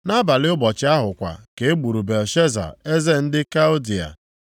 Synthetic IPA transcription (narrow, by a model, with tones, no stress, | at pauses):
na˦ba˨lɪ˦ʊ˦bɔ˨t͡ʃɪ˦a˦ɦʊ˨kʷa̰˨ke˨e˦ɡ͡bu˨ɾu˨be˨lʃe˦za̰˨e˦ze˦n̩˦dɪ˦ka˦ʊ˦di˨a̰˨